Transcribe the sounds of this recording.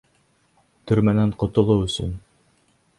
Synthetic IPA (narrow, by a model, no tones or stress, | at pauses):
t̪ɵ̆ɾmænæɴqŏt̪ŏlˠowɵ̆sɵ̰n